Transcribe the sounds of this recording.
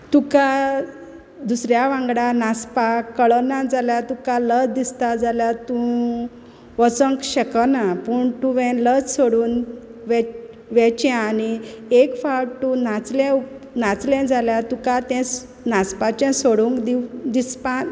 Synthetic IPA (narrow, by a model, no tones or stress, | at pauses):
t̪ũka | d̪usɾjaʋãŋɡɽanaspakːəɭɔnãd͡zaljat̪ũkaləd͡zd̪ist̪ad͡zaljat̪ũ | ʋət͡sə̃ŋkɕəkənapəɳt̪ũʋɛ̃ləd͡zsoɽuːnʋɛ | ʋɛt͡ɕãaniekfaɽt̪ũnat͡slɛ̃u | nat͡slɛ̃d͡zaljat̪ũkat̪ɛ̃s | naspat͡ɕɛ̃soɽũŋkd̪id̪ispã